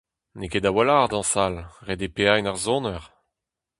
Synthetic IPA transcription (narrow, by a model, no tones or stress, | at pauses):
neked̪awalaːʁd̪ɑ̃salʁed̪epeajnaʁzɔ̃nœʁ